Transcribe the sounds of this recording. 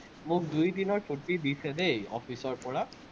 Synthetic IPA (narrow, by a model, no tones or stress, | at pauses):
mʊk̚dujdinɔɹtʰutidisɛdejɔ̰pʰisɔɹpɔɹa